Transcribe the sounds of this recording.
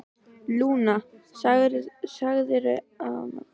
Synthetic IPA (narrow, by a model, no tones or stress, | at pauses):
luːna | saɣðɪɾ | a